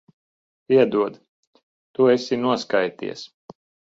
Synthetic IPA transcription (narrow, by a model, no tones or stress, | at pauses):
iɛd̪uɔd̪ | t̪uesʲinuɔskajt̪ḭɛs